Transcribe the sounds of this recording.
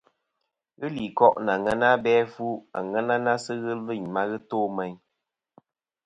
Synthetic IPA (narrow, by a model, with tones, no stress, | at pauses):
ɣɨ˦li˨kɔ˦ʔn˨a˨ŋɛ˦na˦bɛ˦fu˦a̰˨ŋɛ˦na˦na˦sɨ˦ɣɨ˦lɨ˦˨ɲma˦ɣɨ˦toː˦mɛ˦ɲ